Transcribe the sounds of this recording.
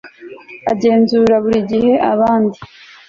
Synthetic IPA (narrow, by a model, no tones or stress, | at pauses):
aɟe̞ːnzuːɾaβuɾiɟihe̞ʔaβaːndi